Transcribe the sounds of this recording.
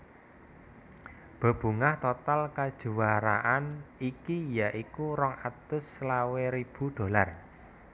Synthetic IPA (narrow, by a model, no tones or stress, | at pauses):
b̥ə̤b̥ṳŋaht̪ot̪alkad̥ʒ̥ṳwaɾa̰ʔanikijaʔikuɾɔŋat̪ʊslaweɾib̥ṳd̪̥o̤lar